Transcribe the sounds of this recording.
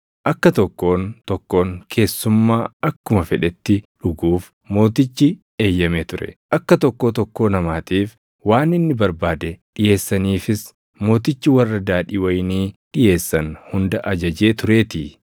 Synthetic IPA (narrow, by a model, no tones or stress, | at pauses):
ʔɐkːɐt̪ɔkːo̞ːnt̪ɔkːo̞ːŋkʰe̞ːsːʊmːaːɐkːʊmɐfɛᶑɛt̪ːɪᶑʊɡuːf | mo̞ːt̪ɪt͡ʃːɪ | e̞ːjːɐmeːt̪ʊɾɛ̰ʔɐkːɐt̪ɔkːo̞ːt̪ɔkːo̞ːnɐmaːt̪iːf | waːnɪnːɪbɐɾbaːd̪ɛᶑɪje̞ːsːɐniːfɪs | mo̞ːt̪̬ɪt͡ʃːɪwɐrːɐd̪aːᶑɪwɐjniːᶑɪje̞ːsːɐnhʊnd̪ɐʔɐd͡ʒɐd͡ʒe̞ːt̪ʊɾe̞ːt̪ɪ